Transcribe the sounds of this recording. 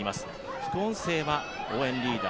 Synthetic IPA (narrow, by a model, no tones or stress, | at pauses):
imasɨ̥ | ɸɯ̟̥kɯõ̞ñse̞ːβa | oːẽ̞ɲɾʲiːd̪a